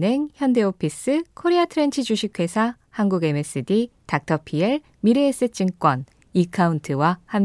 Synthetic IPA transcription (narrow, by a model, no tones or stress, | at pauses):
ne̞ŋçjʌnde̞opʰis͈ɯkʰoɾiatʰɯɾe̞nt͡ɕʰid͡ʑuɕʰikʰwe̞sʰa | hanɡuɡe̞me̞s͈ɯditak̚tʰʌpʰieɭ | miɾeːs͈ɯt͡ɕ͈ɯŋk͈wʌn | ikʰauntʰɯwaham